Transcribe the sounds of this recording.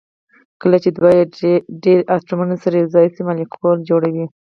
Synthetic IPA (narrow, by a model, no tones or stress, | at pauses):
kəlat͡ʃed̪wajeɖeɾasʈɾumanasaɾezɑjsimalikʰold͡ʒoɽawi